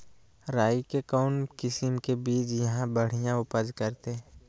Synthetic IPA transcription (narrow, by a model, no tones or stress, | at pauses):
ɾaːikekɔːnkɪsəmkebiːt͡ʃjɐɦãbɐɽ̤ijãʊpəd͡ʒkɐɾt̪e